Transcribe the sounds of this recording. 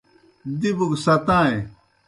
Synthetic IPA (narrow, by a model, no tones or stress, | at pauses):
d̪ibuɡsɐt̪ãːẽ